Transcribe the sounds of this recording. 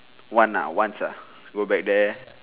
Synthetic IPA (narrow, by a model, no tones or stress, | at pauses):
wana̰wansa | ɡobɛk̚dɛ